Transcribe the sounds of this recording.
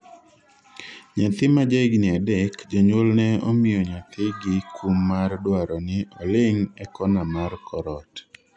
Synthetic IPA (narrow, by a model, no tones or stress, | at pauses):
ɲat̪ɪmad͡ʒaɡnɪadɛkd͡ʒoɲwolnɛomɪɔɲat̪ɪɡɪkʰumːardwaɾɔnɪɔlɪŋɛkɔnamɔrkʰɔɾɔt